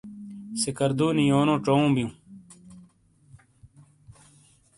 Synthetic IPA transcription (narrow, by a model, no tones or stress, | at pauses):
sikɐɾd̪uːnijoːnõːʈ͡ʂoũːbijũː